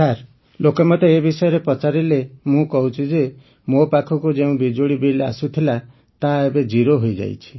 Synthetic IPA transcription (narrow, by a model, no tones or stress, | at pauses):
aɾ | lokɔmɔt̪eebisɔjɔɾepɾɔt͡ʃaɾilemũkɔɦut͡ʃʰid͡ʒe | mopakʰɔkud͡ʒeũbid͡ʒoɽibilea̰sut̪ʰila | t̪aebed͡ʒiɾoɦojd͡ʒa̰jt͡ʃʰi̥